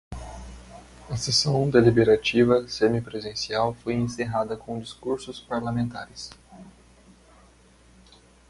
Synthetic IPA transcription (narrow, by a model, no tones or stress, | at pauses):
ɐsesɐ̃w̃d̪elibeɾat͡ʃivɐsẽmipɾezẽsiawfojẽseɦad̪ɐkõd͡ʒiskuɾsʊspaɾlamẽnt̪a̰ɾɪs